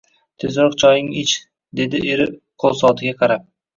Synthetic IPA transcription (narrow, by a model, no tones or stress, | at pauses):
t̪ʰezɾɒqt͡ʃʰɒjɪŋɪt͡ʃ | d̪e̞d̪ɪeɾɪqʰolˠsɒt̪ʰɪɡʲaqʰɑɾap̚